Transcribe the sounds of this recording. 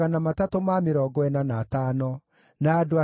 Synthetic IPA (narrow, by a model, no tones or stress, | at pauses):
anamatatomameɾɔɡɔɛnanataːnɔ | naːdoa